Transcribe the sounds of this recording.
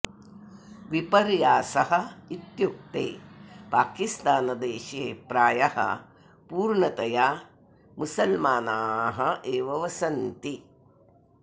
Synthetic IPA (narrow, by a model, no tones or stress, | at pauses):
ʋipɐɾjaːsɐɦɐ̆it̪juk̚t̪ḛːpaːkist̪aːnɐd̪eːʃeːpɾaːjɐhɐ̰ | puːɾɳɐt̪ɐjaː | musɐlmaːnaːɦɐʔeːʋɐʋɐsɐnt̪i